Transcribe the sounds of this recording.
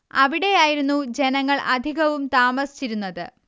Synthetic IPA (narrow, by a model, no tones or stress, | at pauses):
ɐʋiɽe̞jaːjiɾunːud͡ʑe̞nɐŋːɐɭɐ̰d̪ʱiɣɐʋumt̪aːmɐsi̥t͡ɕːiɾunːɐðɨ